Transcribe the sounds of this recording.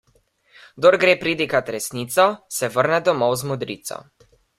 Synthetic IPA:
ɡd̪ɔɾɡɾeːpɾiːd̪ikat̪ɾɛsniːt̪sɔsɛʋəɾnɛd̪ɔmɔwzmɔd̪ɾḭːt̪sɔ̰

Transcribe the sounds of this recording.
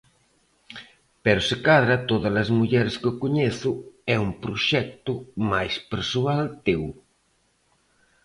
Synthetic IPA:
pɛɾʊsɪkaðɾɐt̪oðɐlɐzmuʎɛɾskokoɲeθʊɛumpɾoʃɛk̚t̪ʊmajspeɾsualt̪ew

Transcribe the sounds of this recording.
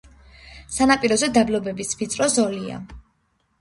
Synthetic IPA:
sanapʼiɾɔzɛd̪ablɔbɛbisvit̪sʼɾɔzɔlia̰

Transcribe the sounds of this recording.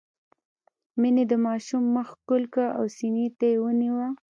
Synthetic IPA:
mined̪əmɑʃumːəxkʊlkaʔa̰wsinit̪ajewəniwa

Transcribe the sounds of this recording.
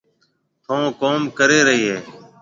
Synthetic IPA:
t̪ʰõːkoːmkəɾeːɾəɦiːɦeː

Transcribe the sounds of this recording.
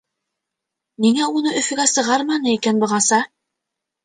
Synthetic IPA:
niŋæunɤʔɵ̆fɵ̆ɡæsɤ̆ʁɑɾmɑnɤikænbɤ̆ʁɑsɑ

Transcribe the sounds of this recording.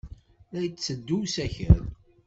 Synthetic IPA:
æjt͡st͡sːəd̪ːuwsæçə̰ɾ

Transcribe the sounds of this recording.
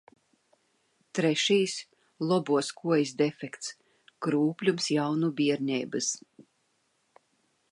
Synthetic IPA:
t̪ɾɛʃijs | lˠɔbuɔskʰuɔjisd̪ɛfʲɛkt̪s | kɾuːplʲumsjawnubiɛɾɲʲɛːbɨs

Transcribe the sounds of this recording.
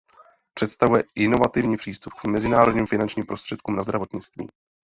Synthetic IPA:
pr̥ɛt̪st̪avujɛʔɪno̞vat̪ɪvɲiːpr̝̥iːst̪upkmɛzɪnaːɾodɲiːmfɪnant͡ʃɲiːmpɾo̞st̪r̥ɛt̪̚kuːmnazd̪ɾavo̞t̪ɲɪt͡st̪vḭː

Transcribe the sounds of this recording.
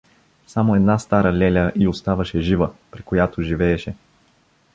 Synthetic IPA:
samoɛd̪nast̪aɾəlʲɛlʲəʔiost̪avəʃɛʒivəpɾikojat̪oʒivɛːʃɛ

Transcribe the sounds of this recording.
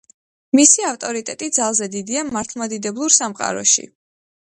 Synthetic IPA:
misiaft̪ʼɔɾit̪ʼɛt̪ʼid̪zalˠzɛd̪id̪iamaɾt̪ʰlˠmad̪id̪ɛblˠuɾsamqʼa̰ɾɔ̰ʃḭ

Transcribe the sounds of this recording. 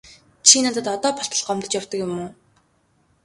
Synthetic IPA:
t͡ɕʰiːnaːt̪ə̆t̪ɔt̪ɔːpʰɔɬt̪ə̆ɮɢɔmt̪ɞ̆t͡ɕjawt̪ɞ̆kjʊmoː

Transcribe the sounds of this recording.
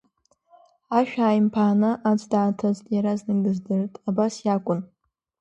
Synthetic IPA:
aʃᶣaːjmpʰaːnɨʔat͡ʃʷʼdaːtʰaztʼjaɾaznɨnɡɨzdɨrtʼabasjakʷʼʊn

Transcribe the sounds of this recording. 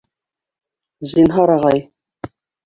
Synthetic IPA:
ʑinɦɑɾɑʁɑj

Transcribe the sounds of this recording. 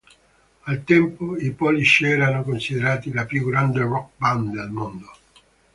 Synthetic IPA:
alt̪ɛmpoipɔliʃɛːɾanokonsid̪eɾaːt̪ilapjuɡɾand̪erɔk̚band̪elmond̪o

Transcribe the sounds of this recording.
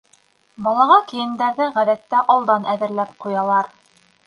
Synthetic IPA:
bɑlˠɑʁɑkɘ̆jɘ̆nd̪æɾðɘʁæðæt̪ːæʔɑlˠd̪ɑnæðɘ̆ɾlæp̚qujɑlˠɑɾ

